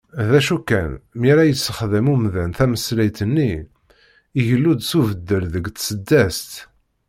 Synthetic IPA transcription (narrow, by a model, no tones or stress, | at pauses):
ðæʃukːænmiɾæjət͡sːəχðəmumðænθæməslæjt̪ənːiː | ʝəlːud̪suvəd̪ːəɾðəɡt̪səd̪ːæst̪